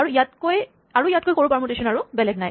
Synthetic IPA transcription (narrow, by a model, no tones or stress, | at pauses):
aɹuijatkoj | aɹuijat̚kojkoɹupaɹmutesɔnaɹubɛlɛɡ̚naj